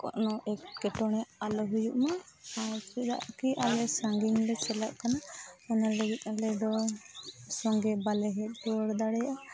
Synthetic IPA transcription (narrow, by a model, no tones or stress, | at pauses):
kɔ̰ʔnɔʔɛk̚kɛʈɔɽ̃ɛʔalɔɦujuʔmaaɾt͡ʃiɾa̰ʔkiʔalɛsaŋɡiŋlɛt͡ʃɛlaʔkanaanaləɡit̪̚ˀalɛd̪ɔ | sɔŋɡɛbalɛɦɛt̪̚ˀd͡ʒɔɽd̪aɽɛjaʔa